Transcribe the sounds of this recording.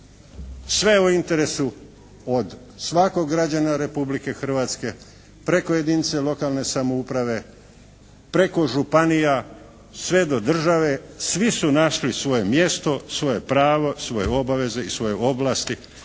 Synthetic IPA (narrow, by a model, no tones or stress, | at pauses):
sʋe̞uint̪e̞ɾe̞su | od̪ | sʋako̞ɡɡɾad͡ʑanaɾe̞publike̞xr̩ʋaːt̪ske̞ | pɾe̞ko̞je̞d̪iːnit̪se̞lˠo̞kaːlne̞samoupɾaʋe̞ | pɾe̞ko̞ʒupanija | sʋe̞d̪o̞d̪r̩ʒaʋe̞sʋisunaʃlisʋo̞je̞mje̞st̪o̞sʋo̞je̞pɾaːʋo̞sʋo̞jeo̞baʋe̞ze̞isʋo̞je̞o̞blaːst̪i